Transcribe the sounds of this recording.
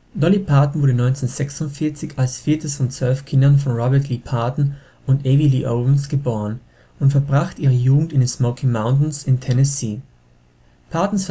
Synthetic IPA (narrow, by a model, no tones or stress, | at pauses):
dɔlipʰaɐtn̩vʊɐdənɔʏnt͡seːnzɛksʊntfɪɐt͡sɪçalsfiːɐtʰəsfɔnt͡sv̥œlfkʰɪndɐnfɔnʁɔbɛɐtlipʰaɐtn̩ | ʊntʔɛviliːʔoʊvn̩sɡ̥əboːʁən | ʊntfɛɐbʁaχtʔiːʁ̞əjuːɡŋ̩tɪnɛsmɔkʰimaʊntn̩sɪntʰɛnɛsiː | pʰaɐtn̩sf